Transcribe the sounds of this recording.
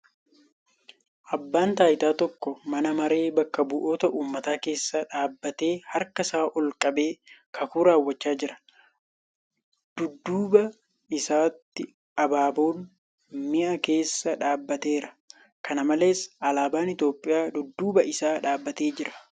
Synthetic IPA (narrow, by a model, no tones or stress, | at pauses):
ʔɐbːaːnt̪aːjt̪aːt̪ɔkːɔmɐnɐmɐɾe̞ːbɐkːɐbʊʔo̞ːt̪ɐʔuːmːɐt̪aːke̞ːsːɐᶑaːbːɐt̪e̞ːhɐɾkɐsaːʔɔlkʼɐbe̞ːkʰɐkuːɾaːwːɐt͡ʃːaːd͡ʒɪɾɐ̥ | d̪̥ʊd̪ːuːbɐ | ɪsaːt̪ːɪ | ʔɐbaːboːn | mɪʔɐke̞ːsːɐᶑaːbːɐt̪e̞ːɾɐ | kʰɐnɐmɐle̞ːsʔɐlaːbaːnɪt̪jo̞ːpʼːɪjaːd̪ʊd̪ːuːbɐɪsaːᶑaːbːɐt̪e̞ːd͡ʒɪɾɐ̥